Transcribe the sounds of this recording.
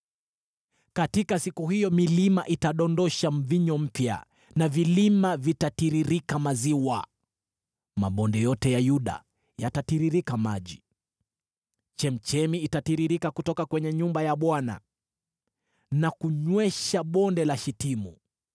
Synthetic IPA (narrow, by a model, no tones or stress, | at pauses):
katikasikuɦijɔmilima̰ʔitaɗɔndɔʃam̩viɲɔm̩pja̰ | navilimavitatiɾiɾikamaziwa̰ | ma̰ɓɔndɛjɔtɛjajuɗa̰ | jatatiɾiɾikamaʄi | t͡ʃɛm̩t͡ʃɛmiitatiɾiɾikakutɔkakwɛɲɛɲumbajaɓwana̰ | nakuɲwɛʃaɓɔndɛlaʃitimṵ